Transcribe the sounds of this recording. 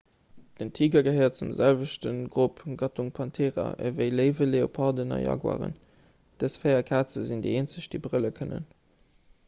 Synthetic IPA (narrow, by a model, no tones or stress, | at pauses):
d̥əntʰiːɡɐɡəɦəɪɐt̚t͡sumzælvəʃtənɡʁupɡɑtuŋpʰɑntʰeːʁɑ̰ʔə̰vəɪləɪvəleopʰɑːdənɑ̰jɑ̰ːɡwa̰ːʁə̰n | d̥əsfeɪɐkʰaːt͡səzindeɪeːnt͡səɕd̥ebʁələkʰənə̰n